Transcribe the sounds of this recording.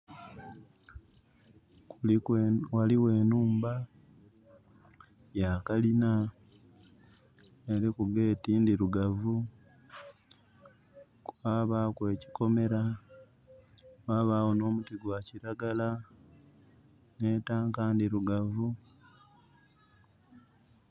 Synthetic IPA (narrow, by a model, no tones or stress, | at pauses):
waliwe̞ːnuːmba | jakalina | eɾikuɡe̞ːtiːndiɾuɡavu | kwaːβaːkwe̞ːci̥ko̞me̞ɾa | waːβaːwono̞ːmutiɡwaciɾaɡala | ne̞taːŋkaːndiɾuɡavu